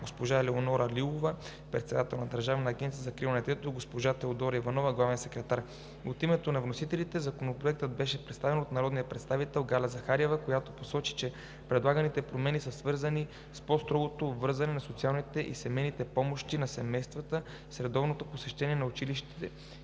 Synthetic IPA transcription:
ɡospoʒalɛonɔɾəlilˠovə | pɾɛt̪sɛd̪at̪ɛlˠnɐd̪əɾʒavɐnɐːɡʲɛnt̪sijəzɐkɾivnɛt̪ɛt̪oiɡospoʒat̪ɛod̪ɔɾivɐnɔvəɡlˠavɛjsɛkɾɛt̪aɾ | ot̪imɛt̪onɐvnosit̪ɛlit̪ɛzɐkonopɾoɛk̚t̪əd̪̚bɛʃɛpɾɛt̪st̪avɛnot̪nɐɾɔd̪nijəpɾɛt̪st̪avit̪ɛlˠɡalɛzɐxaɾɛvəkojat̪o̥posɔt͡ʃi̥t͡ʃɛ | pɾɛd̪lˠaɡənit̪ɛpɾomɛnisəsvɤɾzəni | spɔst̪ɾɔɡot̪ovɤɾzɐnɛnɐsot̪sialˠnit̪ɛʔḭsɛmɛjnit̪ɛpɔmoʃt̪inɐsɛmɛjst̪vɐt̪ə | sɾɛd̪ɔvnot̪oposɛʃt̪ɛniɛnɐut͡ʃiliʃt̪i̥t̪ɛ̰

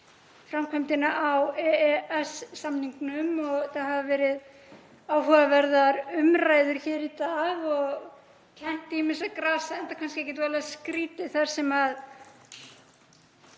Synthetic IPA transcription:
fɾamkʰɛjmt̪ɪnaʔawɛɛɛsːamniŋknʏmɔɣθaðhavavɛːɾɪð | awɦœɣavɛɾðaɾʏmɾaːjðʏɾ̥çɛːɾit̪aːɣɔɣ | cʰɛn̥t̪ɪimɪnsɛðkɾaːsaɛnt̪akʰanscɪɛhcːɛt̪vɛːlskɾiːt̪ɪθaɾ̥sɛmað

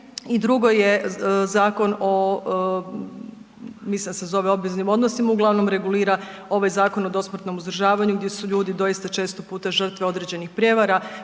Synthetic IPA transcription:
id̪ɾuɡo̞je̞zaːko̞no | mislind̪asezo̞ʋeo̞bʋiznimo̞d̪no̞simauɡlˠaʋno̞mɾe̞ɡuliːɾao̞ʋajzaːko̞no̞d̪o̞smr̩t̪no̞muzd̪ɾrʒaːʋaɲuɡd̪jesuʎuːd̪id̪o̞jist̪at͡ʃe̞ːst̪opuːt̪aʒr̩t̪ʋeo̞d̪ɾe̞d͡ʑe̞nixpɾʲje̞ʋaɾa

